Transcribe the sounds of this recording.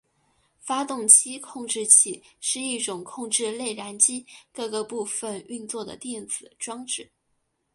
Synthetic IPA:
fa˥t̪ʊ˥˧ŋt͡ɕʰi˥kʰʊ˥˧ŋʈ͡ʂɻ̩˥˧t͡ɕʰi˥˩ʂɻ̩˥˧i˥˩ʈ͡ʂʊ˨˩ŋkʰʊ˥˧ŋʈ͡ʂɻ̩˥˧le˥˩ɪɻa˧˥nt͡ɕi˥kɤ˥˧ɡɤ˥˧pu˥˧fə˩ny˥˧nt͡swɔ˥˩d̪ə̰˩t̪jɛ˥˩nt͡sɹ̩˨˩ʈ͡ʂwɑ˥ŋʈ͡ʂɻ̩˥˩˦

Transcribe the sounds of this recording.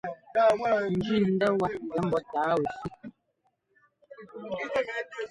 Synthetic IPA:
n̩˨d͡ʒi˦˨n̩˦də˦wa˨ɡɛ˨˦m̩˦bɔ˦taː˨˦we˨si˦

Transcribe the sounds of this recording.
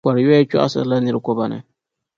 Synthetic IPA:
a˨ɾjɛ˦t͡ʃɔ̰˦ʔa̰˦sɨ̰˨˦la˦nɨ˦ɾɨ˦kɔ˦ba˨nɨ̰˨

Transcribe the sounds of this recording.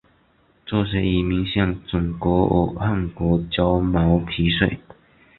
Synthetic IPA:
t͡swɔ˥˧ʂe˧˥i˨˩mi˧˥ŋɕjɑ˥˩ŋt͡sʊ˨˩ŋkwɔ˧˥ɔ̰˨˩xa˥˩nkwɔ˧˥t͡ɕjɑ˥ʊmɑ˧˥ʊpʰi˧˥ʂwe˥˩ɪ

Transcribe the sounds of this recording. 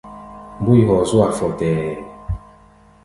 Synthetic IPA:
m˦bu˦i˦˨ɦɔ˨zu˦a˨fɔ˨tɛ˨

